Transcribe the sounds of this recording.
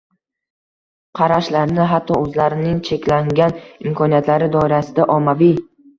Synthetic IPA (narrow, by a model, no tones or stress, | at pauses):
qʰɑɾaʃlaɾnɪɦat̪ʰːɒɵzlaɾɪnɪŋt͡ʃʰe̞kʲlaŋɡʲanɪmkʰɒnijat̪ʰlaɾɪd̪ɒɪɾasɪd̪aʔɒmːavij